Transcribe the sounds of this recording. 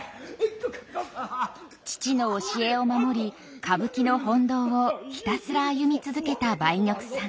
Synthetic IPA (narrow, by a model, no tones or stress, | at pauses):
t͡ɕi̥t͡ɕino̞ːɕie̞o̞mamo̞ɾʲi | kʰabɯ̟kʲino̞hõ̞nd̪o̞ːoçi̥t̪asɨɾaːjɯmʲit͡sɨzɨke̞t̪abaiɲʲo̞kɯ̟̥sã